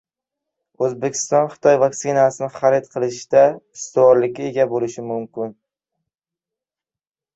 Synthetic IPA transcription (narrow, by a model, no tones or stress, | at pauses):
ɵzbekʲʰɪ̥st̪ɒnχɨ̥t̪ʰɒjvaksɪnasɪnɪχaɾet̪qʰɨlˠɪʃd̪̥aɪst̪ʰɪvɒɾlɪk̚ʲːae̞ɡʲabolɪʃɪmʊmkʲɪn